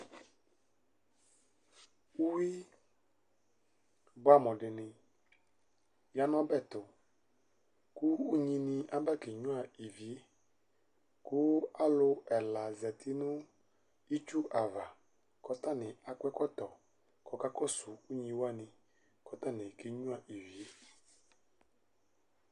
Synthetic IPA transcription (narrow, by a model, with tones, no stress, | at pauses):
u˦wi˦ | ba˦˨mɔ̃˨ɖɪ˨nɪ̃˨ | ja˦nɔ̃˦bɛ˦˨t̪ʊ˨ | kuː˦ɲĩ˦nĩ˦ʔa˦ba˦ke˨ɲũ˦a˨i˨vi˨e˦ | kʊ˦a˦lʊ˦ɛ˨la˨zɛ˨t̪ʰɪ˦nʊ̃˦ | i˦t͡ʃu˦ʔa˨va˨ | kɔ˨t̪a˦nɪ̃˨a˨kʷɛ˦kɔ˦t̪ɔ˨ | kɔ˨ka˦kɔ˦sʊ˨u˦ɲĩ˦wa˦nɪ̃˨ | kɔ˦t̪a˦nɪ̃˨ke˨ɲũ˦a˨ʔi˨vi˨e˦